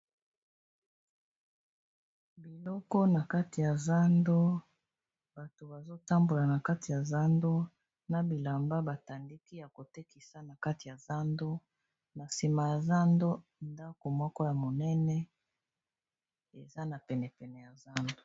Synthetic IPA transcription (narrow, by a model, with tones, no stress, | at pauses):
bi˨lɔ˦kɔ˦na˨ka˦ti˨ja˨za˦ndo˦ | b̥a˨to˨ba˨zo˦ta˦mbo˨la˨na˨ka˦ti˨ja˨za˦ndo˦ | na˨bi˨la˨mba˦ba˨ta˨ndi˦ki˦ja˨ko˨te˦ki˨sa˦na˨ka˦ti˨ja˨za˦ndo˦ | na˨si˨ma˨ja˨za˦ndo˦nda˦ko˨mɔ˦kɔ˦ja˨mo˨nɛ˦nɛ˦ | e˨za˦na˨pɛ˨nɛ˨pɛ˨nɛ˨ja˨za˦ndo˨